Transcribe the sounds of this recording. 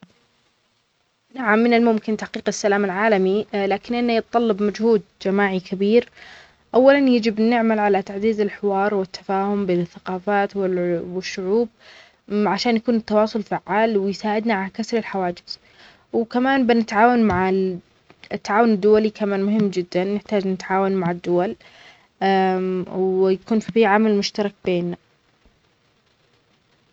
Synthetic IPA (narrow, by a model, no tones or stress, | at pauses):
naʕamːɪnɪlmʊmkɪnt̪aħqiːqɪsːalaːmɪlʕaːlamilaːkɪnʔɪnːajɨt̪t̪ˤːɑlːɑbmad͡ʒhuːd̪̚d͡ʒamaːʕikʰabiːɾ | ʔawːalanjɪd͡ʒɪbnɪʕmalʕalat̪aʕziːzɪlħɪwɑːɾˤwɪt̪ʰːḁfaːhʊmbeːnɪθːaqɑːfaːt̪wɪwɪʃːʊʕuːb̚ | ʕaʃaːnjakuːnɪt̪ːɑwɑːsˤʊlfaʕːaːlwɪjsaːʕɪd̪naʕalakasɾɪlħawaːd͡ʒɪz̥ | wkamaːnbɪnɪt̪ʕaːwanmaʕɪ | ɪt̪ːaʕaːwʊnɪd̪ːʊwalikamaːnmʊɦɪmːd͡ʒɪd̪ːanːɪħt̪aːd͡ʒnɪt̪ʕaːwanmaʕɪd̪ːʊwal | wjakuːnfifiːʕamalmʊʃt̪ɑɾˤɑk̚beːnːa